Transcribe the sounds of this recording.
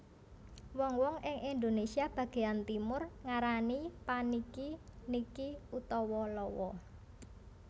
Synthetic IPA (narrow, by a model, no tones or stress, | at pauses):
wɔŋwɔŋɪŋʔind̪onesiab̥ä̤ɡ̥e̤jant̪imʊrŋaɾanipanikinikiut̪ɔwɔlɔwɔ̰